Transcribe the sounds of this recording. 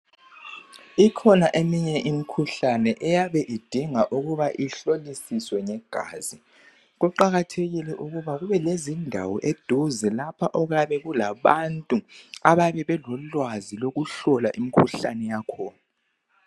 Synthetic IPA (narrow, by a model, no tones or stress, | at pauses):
ikʰɔnaʔemiɲɛʔimikʰuɬanɛʔɛjaβɛʔid̥ʱiŋaʔuɣuβaʔiɬolisiswɛŋɛɡ̥ʱa̰ːzi | ɣuǃaɣatʰeɣilɛʔuɣuβaɣuβɛlezindʱa̰wɔʔed̥ʱuzɛlapʰaʔɔɣjaβɛɣulaβantʼuaβaβɛβɛlɔlwaziloɣuɬɔlaʔimikʰuɬa̰nɛjakʰɔːna